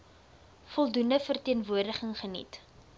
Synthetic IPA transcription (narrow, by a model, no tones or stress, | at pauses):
fɔlˠdundəfərtiənvuərdəχəŋχənḭt